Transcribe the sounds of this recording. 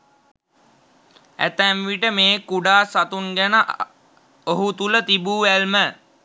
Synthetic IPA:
æ̰t̪æmʋiʈəmeːkuɖaːsat̪unɡænəʔ | oɦut̪ulət̪ibuːʋælmə

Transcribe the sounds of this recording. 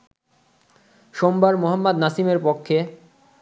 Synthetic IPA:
ʃombaɾmoɦamːad̪nasimeɾpokʰːe

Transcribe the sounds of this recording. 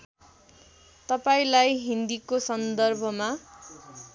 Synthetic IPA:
t̪ʌpaĩlajɦind̪ikosʌnd̪ʌrbʱʌma

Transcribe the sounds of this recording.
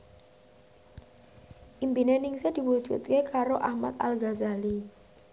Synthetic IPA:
ʔimpinenɪŋsed̪̥i̤wu̥d͡ʒṵt̪̚kekaɾoʔahmat̪alɡazali

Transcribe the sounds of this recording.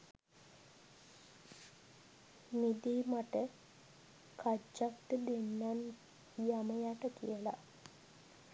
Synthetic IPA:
mid̪iːmaʈə | kad͡ʒːakʈəd̪enːan | jaməjaʈəkḭjəla̰

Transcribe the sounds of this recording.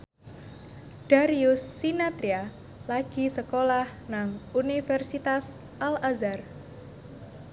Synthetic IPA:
d̥aɾiusːinat̪ɾia | laɡ̥i̤səkolahnaŋunifɛrsit̪as | ʔalazar

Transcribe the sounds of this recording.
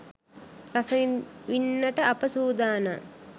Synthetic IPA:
ɾɐsɐʋinːɐʈɐɐpɐsuːd̪aːnɐ̰

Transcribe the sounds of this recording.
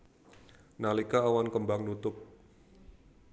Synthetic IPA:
nalikaːwankəmbaŋnut̪ʊp̚

